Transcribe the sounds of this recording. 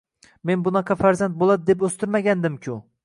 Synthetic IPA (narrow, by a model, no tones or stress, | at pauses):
menbʊnɑqʰɑfæɾzant̪̚bolˠad̪ɪd̪ep̬ɵst̪ɪɾmaɡʲand̪ɪmkʲʰʊ